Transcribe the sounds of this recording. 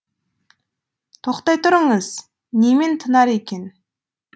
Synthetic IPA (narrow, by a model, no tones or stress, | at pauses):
t̪ʰoqt̪ɑjt̪ʰʊɾəɴəz | nement̪ʰənɑɾekʲe̞n